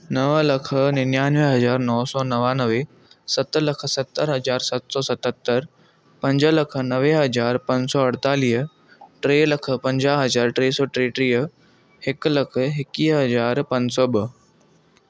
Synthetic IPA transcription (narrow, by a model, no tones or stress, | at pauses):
nɐʋlɐkʰnɪnjaːnʋeɦɐzaːɾnɔːsɔːnɐʋaːnəʋe | sɐt̪lɐkʰsɐt̪ːəɾɦɐzaːɾsɐt̪sɔːsɐt̪ət̪ːəɾ | pɐ̃ɲd͡ʑəlɐkʰnɐʋeɦɐzaːɾpɐ̃ɲsɔːɐɽt̪aːliː | ʈɾeːlɐkʰpɐ̃ɲd͡ʑaːɦɐzaːɾʈɾeːsɔːʈɾeːʈɾiː | hɪklɐkʰɦɪkiːɦɐzaːɾpɐ̃ɲd͡ʑsɔːbə